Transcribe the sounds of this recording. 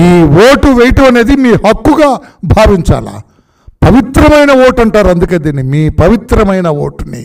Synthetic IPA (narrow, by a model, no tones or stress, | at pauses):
iːʋoːʈuʋejʈuɐne̞ːd̪imiːhɐkːuɡaːbʱaːʋiɲt͡ʃa̰ːla̰ː | pɐʋit̪ɾɐmɐjnɐwo̞ːʈɐɳʈaːɾuɐnd̪ukeːd̪iːnimiːpɐʋit̪ɾɐmɐjnɐʋo̰ːʈnḭ